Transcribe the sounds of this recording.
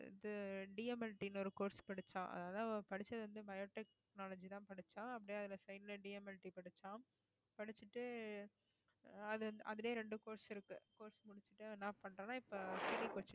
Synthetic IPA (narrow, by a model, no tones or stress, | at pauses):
ɪ̰ðɯɖɪɐmɛlʈːinɔɾɯkoːɾspɐɽɯt͡ʃːã̰ːʔɐ̰ðaːðaːpɐɽɪt͡ʃːɐðɯʋɐnd̪ɯbɐjoːʈɛk̚ | naːlɐd͡ʒit̪ãːpɐɽɯt͡ʃːãːɐp̬ːɐɽɪjɐðɪlɐsɐɪnɪlɐɖɪjɐmɛlʈːipɐɽɯt͡ʃːãː | pɐɽɪt͡ʃːɯʈːɯ | ɐðɯɐʔɐðɯleːɾɛɳɖɯkoːɾsɪɾɯkːɯkoːɾsmʊɽɪt͡ʃːɯʈːɯnãːpːɐɳɾẽːnːãːɪpːokɪɾikoːɾt͡ʃːɪ